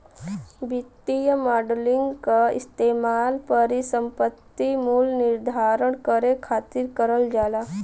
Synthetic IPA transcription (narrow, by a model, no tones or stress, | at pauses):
bit̪ːijəmaːɖəlɪ̃ŋɡkaɪ̰st̪eːmaːlpəɾisə̃mpət̪ːimulnɪɾd̪ʱaːɾəɳkəɾekʰaːt̪ɪɾkəɾəld͡ʒaːla